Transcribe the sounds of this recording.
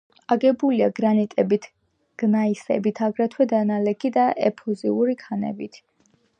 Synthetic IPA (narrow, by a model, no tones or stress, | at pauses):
aɡɛbuliaɡɾanit̪ʼɛbit̪ʰ | ɡ̥naisɛ̰bit̪ʰaɡɾɛt̪ʰwɛd̪analɛkʰid̪aʔɛpʰɔziuɾikʰanɛ̰bit̪ʰ